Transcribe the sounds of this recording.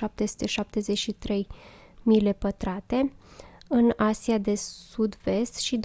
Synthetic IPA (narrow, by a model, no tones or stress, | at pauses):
ap̚t̪e̞su̥t̪e̞ʃap̚t̪e̞zet͡ʃʃit̪ɾe̞j | mile̞pət̪ɾat̪e̞ | ɨnasiad̪e̞sud̪ve̞st̪ʃid̪